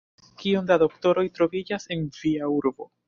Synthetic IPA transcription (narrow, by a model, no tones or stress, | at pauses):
kiondado̞kto̞ɾo̞jtɾo̞vid͡ʒase̞nv̥iauɾbo̞